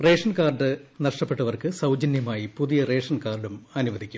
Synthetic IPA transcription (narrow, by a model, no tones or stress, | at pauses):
re̞ːʂɐnkaːrɖɨnɐʂʈɐpːe̞ʈːɐʋɐrkɨsɐwd͡ʑɐnjɐmaːjipuðijɐre̞ːʂɐnkaːrɖumɐnuʋɐd̪ikʲːu̥m